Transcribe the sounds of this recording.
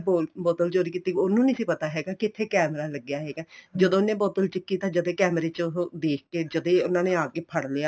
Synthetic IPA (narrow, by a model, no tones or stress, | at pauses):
boːlbɔːt̪əlt͡ʃoːɾiːkiːt̪iːʊnũːnisiːpət̪aːɦɛːɡaːkɪt̪ʰeːkɛːmɾaːləɡjaːɦɛːɡaːd͡ʒəd̪õːnẽːbɔːt̪əlt͡ʃɪkːiːt̪ãːd͡ʒəd̪eːkɛːmɾeːt͡ʃːd̪eːk̚ʰkeːd͡ʒəd̪ẽːʊnãːnẽːaːkeːpʰəɽleːaː